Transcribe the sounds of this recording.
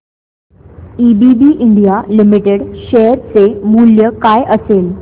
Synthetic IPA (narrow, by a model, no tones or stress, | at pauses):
ibibiʔɪɳɖijalimiʈeɽʃɛɦəɾt͡semuljəkajʔəseːl